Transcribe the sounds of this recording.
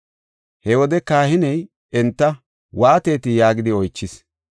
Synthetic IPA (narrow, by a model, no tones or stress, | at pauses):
hɛwɔd̪ɛkaːhɪnɛj | ɛnt̪ːɐ | waːt̪e̞ːt̪ɪjaːɡɪd̪ɪɔjt͡ʃːɪs